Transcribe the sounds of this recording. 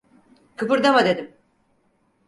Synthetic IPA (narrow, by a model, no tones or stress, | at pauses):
kʰɯpɯɾd̪amad̪e̞d̪im